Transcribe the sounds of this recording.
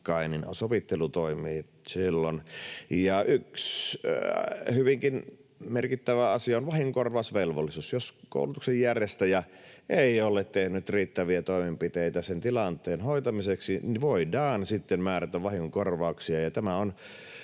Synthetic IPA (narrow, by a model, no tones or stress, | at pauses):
kɑinin̰soʋit̪ːelut̪oimiː | silːonjɑʔyks | hyʋiŋkinmerkit̪ːæʋæɑsiɑonʋɑhiŋkorʋɑˑusʋelʋolːisusjosko̰ˑulut̪uksejjærjest̪æjɑ | ʔeˑiolːˑett̪ehnyt̪riːt̪ːæʋiæt̪oˑimempit̪eit̪æsent̪ilɑnt̪ˑeːnhoˑit̪ɑmiseksiniʋoidɑːnsit̪ːemmæːɾæt̪æʋʋɑhiŋkorʋɑuksiɑjɑt̪æmæon